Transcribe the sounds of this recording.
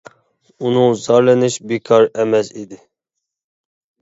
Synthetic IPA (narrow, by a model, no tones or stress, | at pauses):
unɨŋzɑɾlɛnɪʃbikʰɑɾɛmɛsid̪ɪ